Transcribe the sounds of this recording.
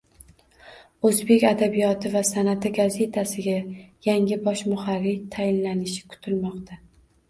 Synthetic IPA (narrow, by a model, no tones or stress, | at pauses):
ɵzbe̞kʲad̪abijɒt̪ʰɪvasanat̪ʰɪɡaze̞t̪ʰasɪɡʲajaŋɪbɒʃmʊhaɾːɪt̪ʰajɪnlanɪʃɪ̥kʰʊ̥t̪ʰɪlmɒqt̪ʰa